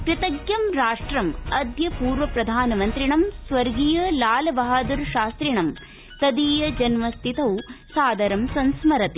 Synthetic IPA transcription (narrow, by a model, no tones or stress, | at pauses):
pɾɐt̪ɐɡjɐmɾaːʂʈɾɐmɐd̪jɐpuːɾʋɐpɾɐd̪ʱaːnɐmɐnt̪ɾiɳɐmsʋɐɾɡiːjɐlaːlɐbaɦaːd̪uɾʃaːst̪ɾiɳɐm | t̪ɐd̪iːjɐd͡ʒɐnmɐst̪ʰit̪ɐwsaːd̪ʱɐɾɐmsɐnsmɐɾɐt̪i